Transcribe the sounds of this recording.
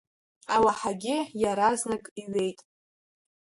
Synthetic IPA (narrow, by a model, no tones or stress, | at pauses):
awaħaɡʲɪjaɾaznakʼiɥe̞jtʼ